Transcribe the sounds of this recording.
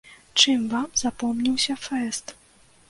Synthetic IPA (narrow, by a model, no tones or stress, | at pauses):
t͡ʂɨmvamzapɔmnʲiwsʲɐfɛst̪